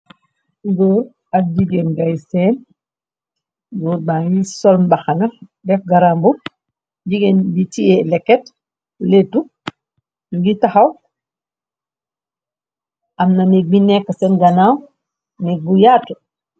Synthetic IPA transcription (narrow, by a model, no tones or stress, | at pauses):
ŋɡɔːɾ | ad͡ʒiɡenɡajsɛːn | ɡɔːɾbaŋɡisɔlmbaxanadɛfɡaɾambu | ɟiɡenbitiɛlɛkːɛt | letu | ŋɡitaxaw | ʔamnanɛbinɛkːasɛnɡanaw | nɛbujatu